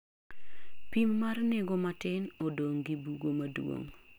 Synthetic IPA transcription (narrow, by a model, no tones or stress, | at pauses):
pimːarnɛɡomatɪnɔdoŋɡibuɡomadwo̰ŋ